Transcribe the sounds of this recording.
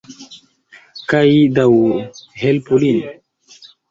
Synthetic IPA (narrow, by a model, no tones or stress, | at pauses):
kajd̪awɦelpulin